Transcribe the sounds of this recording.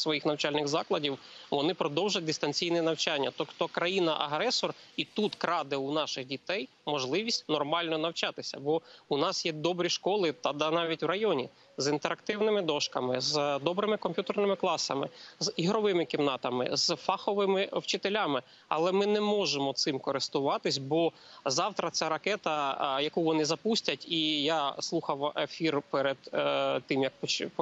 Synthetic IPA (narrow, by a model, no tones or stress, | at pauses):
sʋɔjixnɐwt͡ʃɑlʲnɪɣzɑklˠɐdʲiwʋɔnɪpɾɔd̪ɔwʒɐt̚ʲd̪ɪst̪ɐnʲt͡sʲijnɛnɐwt͡ʃanʲːɐ̰t̪ɔkt̪ɔkɾɐjinɐʔɐ̰ɦɾɛsɔrit̪ut̪kɾɑd̪ɪunɑʃɪɣdʲit̪ɛjmɔʒlˠɪʋʲisʲtʲnɔrmɑlʲnɔnɐwt͡ʃɑt̪ɪsʲɐ̰bɔunɑsjɛd̪ɔbɾʲiʃkɔlˠɪt̪ɐd̪ɐnɑʋʲitʲwrɐjɔnʲḭ | zint̪eɾɐkt̪ɪwnɪmɪd̪ɔʃkɐmɪzd̪ɔbɾɪmɪkɔmpʲjut̪ernɪmɪklˠɑsɐ̰mɪ̰ziɦɾɔʋɪmɪkʲimnɑt̪ɐmɪ̰z̥fɑxɔʋɪmɪwt͡ʃɪt̪elʲamɪ | ɐ̰lˠɛmɪnɛmɔʒemɔt̪sɪmkɔɾɪst̪ʊʋɑt̪ɪsʲbɔzɑwt̪ɾɐt͡sʲaɾɐkɛt̪ɐjɐkuʋɔnɪzɐpusʲtʲɐtʲijaslˠuxɐwefʲirpɛɾed̪̥t̪ːɪmjɐk̚pɔt͡ʃp